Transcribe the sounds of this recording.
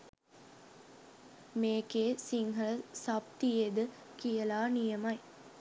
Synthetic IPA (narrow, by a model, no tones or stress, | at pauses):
meːkeːsiŋɦɐlsɐp̚t̪ijed̪ɨ | kijɐlaːnijɐmɐj